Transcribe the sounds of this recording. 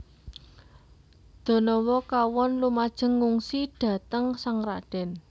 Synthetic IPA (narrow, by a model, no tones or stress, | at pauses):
d̪̥o̤nɔwɔkawɔnlumad̥ʒ̥ə̤ŋːuŋsiɖ̥ä̤t̪əŋsaŋraɖ̥ɛ̤n